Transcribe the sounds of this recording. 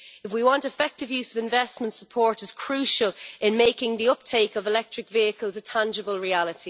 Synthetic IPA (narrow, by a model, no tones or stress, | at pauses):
ɪfwiwɑ̃ntɪfɛk̚tɪvjʉːz̥əvɪ̃ɱvɛsmə̃ntsəpʰɔɹɾɪz̥kʰɹ̥ʉˑʃəlˠʔɪ̃nmeɪkɪ̃ŋðiʊp̚tʰeɪkəvɪlɛk̚tɹ̥ɪkviəkʰəlˠzətʰãnd͡ʒəbəlˠɹialɪti